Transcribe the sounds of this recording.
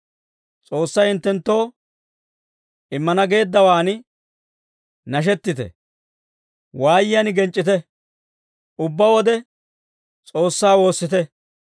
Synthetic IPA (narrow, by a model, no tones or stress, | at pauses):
t͡sʼo̞ːsːɐjɪnt̪ːɛnt̪ːo̞ː | ɪmːɐnɐɡe̞ːd̪ːɐwaːn | nɐʃ̬ɛt̪ːɪt̪ɛ̰ | waːjɪjɐnɪɡɛnt͡ʃʼːɪt̪̬ɛ | ʔʊbːɐwɔd̪ɛ | t͡sʼo̞ːsːaːwo̞ːsːɪt̪ɛ